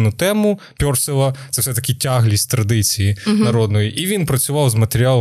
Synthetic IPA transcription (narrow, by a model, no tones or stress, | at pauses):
nʊt̪ɛmʊ | pʲɔrsɪlˠɐt̪sɛwsɛt̪ɐkʲɪtʲaɦlʲisʲtʲt̪ɾɐd̪ɪt͡sʲijinɐɾɔd̪nɔjiʔiʋʲinpɾɐt͡sʲʊʋɑwzmɐt̪eɾʲɪɑlˠ